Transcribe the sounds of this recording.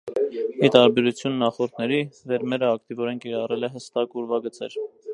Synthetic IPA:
it̪ɑɾbɛɾut͡sʰjunːɑχɔɾt̪ʰnɛɾivɛɾmɛɾəɑkt̪ivɔɾɛnkiɾɑrɛlɛɦəst̪ɑkuɾvɑɡət͡sɛ̰ɾ

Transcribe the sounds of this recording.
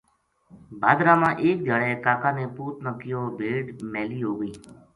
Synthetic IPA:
baːd̪ɾãːmãːʔeːk̚d̪ʱjaːɭeːkaːkãːneːpuːt̪nəkɪjoːbʱeːɖmeːliːɦoːɡəĩː

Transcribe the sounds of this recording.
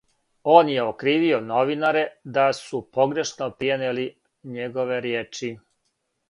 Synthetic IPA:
oːnje̞okɾiːʋio̞no̞ʋinaɾe̞d̪asupo̞ɡɾe̞ʃnopɾijeneli | ɲeɡo̞ʋe̞ɾjeːt͡ʃi

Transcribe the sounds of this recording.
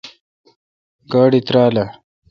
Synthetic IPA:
ɡaːɽit̪ɾaːla

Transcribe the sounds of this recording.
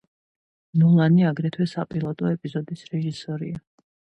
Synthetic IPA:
nulˠaniaɡɾɛt̪ʰwɛsapʼilˠɔt̪ʼɔɛpʼizɔd̪isɾɛʒisɔɾia

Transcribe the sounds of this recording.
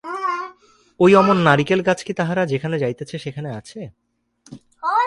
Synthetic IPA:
ojɔmonːaɾikelɡat͡ɕʰkit̪aɦaɾad͡ʑekʰaned͡ʑajt̪et͡ɕʰeʃekʰaneat͡ɕʰe

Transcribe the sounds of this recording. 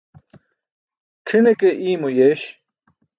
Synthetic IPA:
ʈ͡ʂʰinekeʔiːmojeːɕ

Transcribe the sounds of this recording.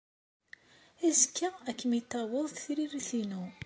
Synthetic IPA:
æzkːæækːəmit̪ːɑwəðˤθθɾiɾiθinu

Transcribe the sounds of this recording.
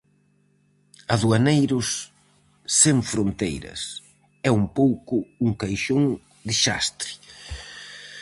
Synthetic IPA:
ɐðuanejɾʊsː | eɱfɾont̪ḛjɾɐ̰s | ɛumpowkʊuŋkajʃoŋ | d̪ɪʃa̰st̪ɾi̥

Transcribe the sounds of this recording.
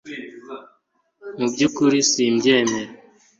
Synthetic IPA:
mubɟukuɾisiːmbjeːmeɾe

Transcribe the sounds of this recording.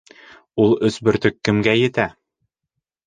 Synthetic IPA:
ulˠɵ̆sbɵ̆ɾt̪ɵkːɘ̆mɡæjɘ̆t̪æ

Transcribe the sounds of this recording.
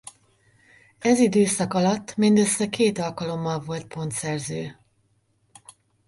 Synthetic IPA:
ɛzid̪øːsɒkɒlɒt̪ːmind̪øsːɛkeːt̪ɒlkɒlo̞mːɒlvo̞lt̪̚pʰo̞nt̪sɛrzøː

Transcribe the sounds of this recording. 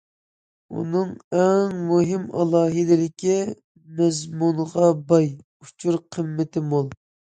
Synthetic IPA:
ṵnɨŋɛŋmuɦɪmɑ̰lˠɑːɦɪd̪ɪlɪkʲʰi | mɛzmunəʁɑbɑj | ut͡ʃʰuɾqʰəmːɪt̪ʰɪmolˠ

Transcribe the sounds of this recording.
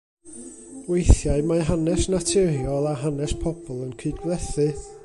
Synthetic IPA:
wejθjaɨmaɦanɛsnatʰɪrjɔlˠaɦanɛspʰɔbɔlˠənkʰɨdɡwlˠɛθɨ

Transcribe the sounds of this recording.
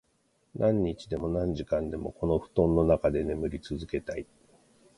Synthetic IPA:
nʔãɲ̟ːit͡ɕid̪e̞mo̞nãɲ̟d͡ʑikãnd̪e̞mo̞ko̞no̞ɸɯ̟̥t̪õ̞nːo̞nakad̪e̞ne̞mɯ̟ɾʲit͡sɨzɨke̞t̪ai

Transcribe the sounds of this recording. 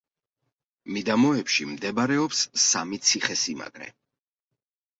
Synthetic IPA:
mid̪amɔɛpʃimd̪ɛbɾɛɔpsːamit̪sʰiχɛsima̰ɡɾɛ̰

